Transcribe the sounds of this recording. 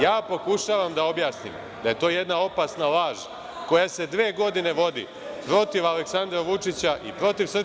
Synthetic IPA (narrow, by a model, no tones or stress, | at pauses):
jaːpo̞kuʃaːʋamd̪ao̞bjaːsnḭm | d̪aje̞t̪o̞ːje̞d̪nao̞pasnalaːʒ | ko̞jase̞d̪ʋeːɡo̞d̪ine̞ʋo̞d̪ḭ | pɾo̞t̪iʋaleksand̪ɾaʋut͡ʂit͡ɕaʔḭpɾo̞t̪iʋsr